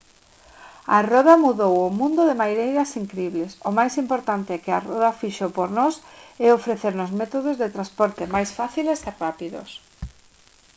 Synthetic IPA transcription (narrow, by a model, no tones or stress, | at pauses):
arɔðamuðowʊmũnd̪ʊðɪmajɾejðɐsiŋkɾeiβlesomajsimpoɾt̪ant̪ɪɛkɪarɔðafiʃopoɾnɔsɛofɾeθeɾnʊzmɛt̪oð̞ozðet̪ɾaspɔɾt̪emajsfaθileserapiðo̰s